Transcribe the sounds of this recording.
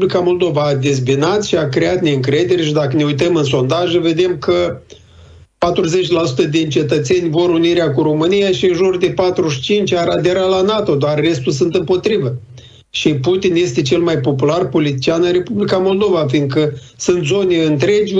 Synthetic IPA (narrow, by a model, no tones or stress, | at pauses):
blikamo̞ld̪ovaːd̪ezbinat̪ʃiakɾeat̪ne̞ɨŋkɾe̞d̪e̞ɾeʃid̪akəne̞ujt̪əmɨnso̞nd̪aʒəve̞d̪e̞mkə | pat̪ɾuze̞t͡ʃʲlasut̪əd̪int͡ʃe̞t̪ət̪se̞nʲvo̞ɾuniɾeakuɾo̞mɨnijaʃiɨnʒurd̪e̞pat̪ɾuʃi̥t͡ʃint͡ʃʲaɾad̪e̞ɾalanat̪o̞d̪oarːe̞st̪uls̬ɨnt̪ɨmpo̞t̪ɾivə | ʃiput̪inje̞st̪e̞t͡ʃe̞lmajpo̞pularpo̞lit̪it͡ʃianɨnre̞publikamo̞ld̪o̞vafiŋkə | sɨnt̪zo̞neɨnt̪ɾe̞d͡ʒʲ